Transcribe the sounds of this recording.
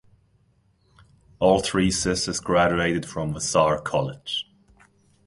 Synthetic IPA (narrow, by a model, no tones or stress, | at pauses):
ɔːlˠtʰɹiːsɪsəzɡɹad͡ʒʉeɪɾɪd̥fɹə̃mvəsɑːɹkʰɒlɪd̥ʒ̥